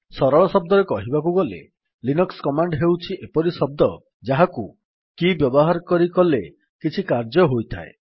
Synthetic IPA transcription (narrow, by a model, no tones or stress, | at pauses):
sɔɾɔɭɔsɔb̚d̪ɔɾekɔɦibakuɡɔlḛ | linɔkskɔmaɳɖɦewt͡ʃʰiʔepɔɾisɔb̚d̪ɔ | d͡ʒaɦaku | kibjɔbɔɦaɾɔkɔɾikɔle | kit͡ʃʰikaɾd͡ʒɔɦojt̪ʰa̰e